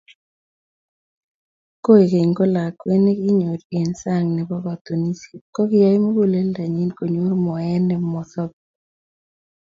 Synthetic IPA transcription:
ko˦e˨ke˨ŋɡo˦la˨kwe˦ne˦ɡi˦ɲo˨ɾe˨nsa˦˨ŋnɛ˨bɔ˦ɡɔ˨t̪o˨ni˦si̥˨kɔ˦kɪ˦ja˦i˦mo˦ɡo˦˨le˦lda˨ɲi˦nko˨ɲo˦ɾmɔ˨ɛ˦nɛ˨mɔ˨θɔ˦k̚

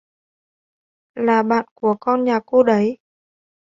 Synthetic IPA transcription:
laː˨˩ɓa̰ː˧˨nku˧˩əkɔ˧nɲaː˨˩ko˧ɗə˨˦j

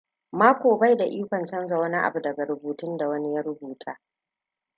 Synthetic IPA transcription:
maː˦kʷoː˨ba˦jda˨ʔiː˦kʷɐ˨nt͡ʃɐ˦nza˨wɐ˦ni˦ʔa̰˨bu˨dɐ˨ɡa˨ɾʊ˨buː˨tʊ˦nda˨wɐ˦ni˦jɐ˦ɾʊ˦buː˨tʰaː˦

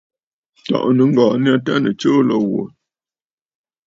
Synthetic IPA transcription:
tɔ̰˨ʔnə˨˦ŋ̩˦ɡɔː˨n˦a˦t̬a˦nə˨t͡ʃəː˦lɔ˦ɣwo̰˨

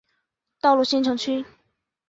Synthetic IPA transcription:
t̪ɑ˥ʊlu˥˩ɕi˥nʈ͡ʂʰɤ˧˥ŋt͡ɕʰy˥

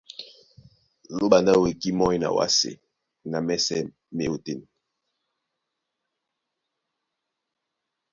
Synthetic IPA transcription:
lo˦ɓa˨nda˦˨we˨ki˦mɔ˦i˦na̰˨wa̰˦sḛ˨ | na˨mɛ˦sɛ˦ | me˦o˨te˦˨n˨

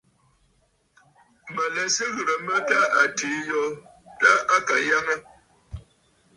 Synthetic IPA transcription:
mə˨lɛ˨sə˦ɣə˨ɾə˨mə˦ta˦ʔa˨tiː˨˦jɔ˦ | ta˦a˦ka˨ja˦ŋə˦

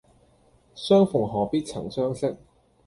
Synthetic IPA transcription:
sœː˥ŋfʊ˨˩ŋɦɔː˨˩piː˥t̚t͡sʰɐ̰˨˩ŋsœː˥ŋsɪ˥k̚

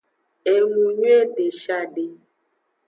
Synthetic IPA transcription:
e˨nũ˨ɲu˦e˦ɖe˨ʃa˦ɖe˨

